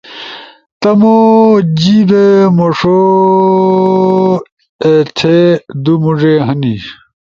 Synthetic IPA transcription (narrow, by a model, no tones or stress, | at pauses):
t̪ɐmod͡ʑibemoʂo | et̪ʰed̪umuʐeɦɐni